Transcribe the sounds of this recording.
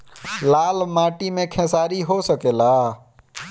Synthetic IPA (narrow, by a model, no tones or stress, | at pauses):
lalmaʈimẽkʰɛ̃saɾiɦosəkela